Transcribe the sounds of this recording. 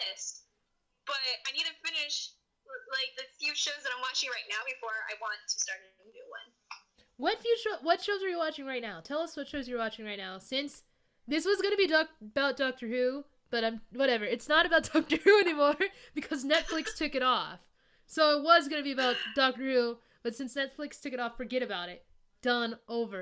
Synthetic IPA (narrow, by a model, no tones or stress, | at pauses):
ɪst̚ | b̥ʌt̚aɪnid̚tɨfɪ̃nɪʃ | laɪk̚ðɨfjʉʃoʊzðəɾãɪ̃mwɑt͡ʃɪ̃ŋɹaɪtⁿnaʊbɨfɔɹa̰ɪwɑ̃ntʰɨ̥stɑɹɾɨ̃dɨwʌ̰̃n | wʌtfjʉt͡ʃowʌtʃoʊzə˞jəwɑt͡ʃɪ̃ŋɹaɪtⁿnaʊtʰɛlˠʌswʌtʃoʊzjə˞wɑt͡ʃɪ̃ŋɹaɪtⁿnaʊsɪ̃ns | ðɪswʌzɡʌnɨbidɔk̚b̥aʊt̚d̥ɔk̚tə˞hʉ | b̥ʌɾãɪ̃mwʌɾɛvə˞ɨtsnəɾɨbaʊt̚d̥ɑk̚tə˞hʉɛnimɔɹb̥ɨkʰʌznɛtflɨkstʰʊkɨɾɔf | soʊɪt̚wʌzɡʌnɨbiɨbaʊt̚d̥ɑk̚təɹʉ | b̥ʌtsɪ̃nsnɛtflɨkstʰʊkɨɾɔffə˞ɡɛɾɨbaʊɾɪt̚ | d̥ʌ̃nʔoʊvə˞